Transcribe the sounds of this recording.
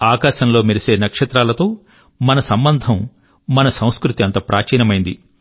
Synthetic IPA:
aːkaːʃɐnlo̞ːmiɾise̞ːnɐkʂɐt̪ɾaːlɐt̪o̞ː | mɐnɐsɐmbɐnd̪ʱɐmː | ɐnɐsɐ̃w̃skɾut̪iɐnt̪ɐpɾʔaːt͡ʃiːnɐmɐjind̪i

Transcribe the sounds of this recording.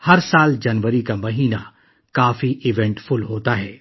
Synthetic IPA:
hɐɾsaːld͡ʒɐnʋəɾikamɐɦiːna | kaːfiʔɪʋɛ̃ɳʈfʊlɦoːt̪aɦɛː

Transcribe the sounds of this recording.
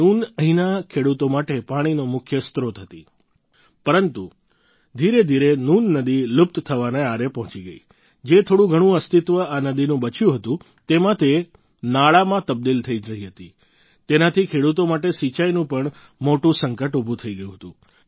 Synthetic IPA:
nunəɦinakʰeɽut̪omaʈepaɽ̃inomʊkʰjəst̪ɾot̪ʰət̪i | pəɾənt̪u | d̪ʱiɾed̪ʱiɾenunːəd̪ilʊp̚t̪t̪ʰəʋaneaɾepɔɦɔ̃t͡ʃiɡəḭ | d͡ʒet̪ʰoɽũɡʱəɽ̃ũəst̪ɪt̪ʋəanəd̪inũbət͡ʃjũɦət̪ũ | t̪emãt̪e | naɭamãt̪əb̚d̪ilt̪ʰəiɾəɦiɦət̪i | t̪enat̪ʰikʰeɽut̪omaʈesit͡ʃajnũpəɳ | moʈũsəŋkəʈubʱut̪ʰəiɡəjũɦət̪ũ

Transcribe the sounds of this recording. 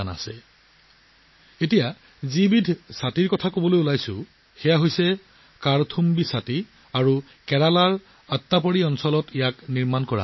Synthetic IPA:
ana̰sɛ | etija | zibidʱsatiɹkɔtʰakobɔlojulajsʊ | xɛjaɦojsɛ | kaɹtʰumbisati | aɹu | kɛɹalaɹ | ətːapoɹiɔnsɔlɔtʰijakniɹmankɔɹa̰

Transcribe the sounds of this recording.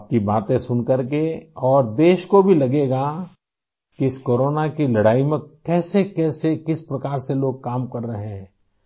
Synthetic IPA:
p̚kibaːt̪ẽsʊnkɐɾkeɔːɾd̪eːʃkobʱilɐɡeːɡa | kiɪskoːɾoːnakilɐɽaːimẽkɛːsekɛːsekɪspɾɐkaːɾseloːɡ̚kaːmkɐɾːɐɦeɦɛ̃ː

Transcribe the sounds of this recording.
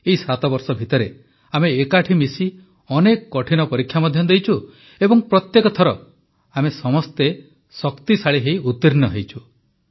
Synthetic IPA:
eisat̪ɔbɔɾsɔbʱit̪ɔɾe | ameːkaʈʰimisi | ɔnekɔkɔʈʰinɔpɔɾikʰːjamɔd̪ʱjɔnd̪ejt͡ʃʰu | ebɔŋpɾɔt̪jekɔt̪ʰɔɾɔ̰ | amesɔmɔst̪e | sɔkt̪isaɭiɦeiut̪ːiɾinɔɦejt͡ʃʰu

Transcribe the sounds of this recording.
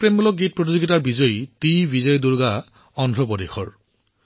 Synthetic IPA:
pɹemulɔk̚ɡit̚pɹɔt̬izoɡitaɹbizɔjtijbizɔjɔduɹɡa | ɔndʱɹɔpɔdexʰɔɹ

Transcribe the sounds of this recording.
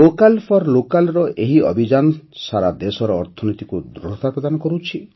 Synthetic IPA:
okalpʰɔɾlokalɾɔʔeɦiɔbʱid͡ʒansaɾad̪esɔɾɔːɾt̪ʰɔnit̪ikud̪ɾuɾɔt̪apɾɔd̪anɔkɔɾut͡ʃʰi

